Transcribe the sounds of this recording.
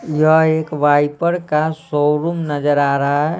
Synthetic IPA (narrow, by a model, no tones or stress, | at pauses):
jəɦeːkʋaːipəɾkasoɾumnɐd͡ʒəɾaːɾɐɦaɦɛ